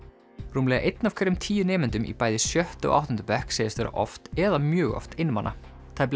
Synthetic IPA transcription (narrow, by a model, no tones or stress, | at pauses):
ruːmlɛːɣaʔejt̪nafkʰvɛɾɪmt̪ʰiːjʏnɛːmɛnt̪ʏmḭpaːjðɪsjœht̪ɔ̰ɣa̰wht̪ɔnt̪ʏpɛhkseːjɪst̪vɛːɾa̰ʔɔ̰ft̪ɛðamjœːɣɔ̰ft̪ejnːmanʔa̰ | t̪ʰapl